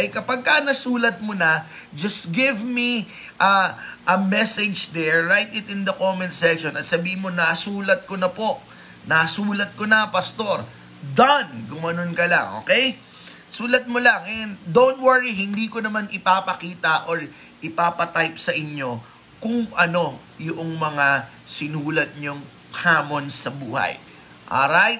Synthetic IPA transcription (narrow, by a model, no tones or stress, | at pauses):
ʔɐjkɐpaɡ̚kːɐnɐsuːlɐt̪̚monɐ | d͡ʒɐst̪̚ɡɪvmi | ʔɐʔɐmɛsɛd͡ʒd̪ɛɹːajt̪ɪt̪ɪnd̪ɐkomɛnt̪sɛkʃonɐt̪̚sɐbiːhɪmo̞nɐʔɐsuːlɐt̪̚konɐpo̞ʔ | nɐʔɐsuːlɐt̪̚konɐpɐst̪o̞ɾ | d̪ɐnɡʊmɐnonkɐla̰ŋʔo̰ːkɛj | suːlɐt̪̚molɐŋɛnd̪ownt̪̚wɐɹiɦɪnd̪iːkonɐmanɪpaːpɐkiːt̪ɐʔoɹ | ɪpaːpɐt̪ajp̚sɐʔɪɲo̞ | kʊŋʔɐno̞ | jʊʔoŋmɐŋa | sɪnuːlɐt̪̚ɲoŋ | haːmo̞nsɐbuːhɐ̰j | ʔa̰ɾajt̪̚